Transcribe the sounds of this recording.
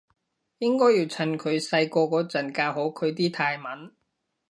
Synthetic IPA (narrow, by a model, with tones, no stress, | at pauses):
jɪ˥ŋkɔː˥jiː˧wt͡sʰɐ˨˧˩nkʰɵ˨˧ɥsɐ˧jkɔː˧kɔː˨˥t͡sɐ˨˩nkaː˧ɦo˨˥kʰɵ˨˧ɥt̪̬iː˥t̪ʰaː˧jmɐ˨˥n